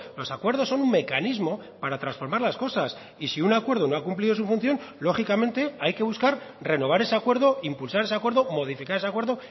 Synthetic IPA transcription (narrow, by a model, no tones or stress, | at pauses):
lo̞sakwe̞ɾð̞o̞sːonumme̞kanizmo̞paɾat̪ɾansfo̞ɾmaɾlasko̞sas | isiunakwe̞ɾð̞o̞no̞akumpliðo̞sufun̟θjo̞nlo̞χikamẽnt̪e̞ajke̞β̞uskaɾre̞no̞β̞aɾe̞seakwe̞ɾðo̞impulsaɾe̞seakwe̞ɾðo̞mo̞ð̞ifikaɾesakwe̞ɾðo̞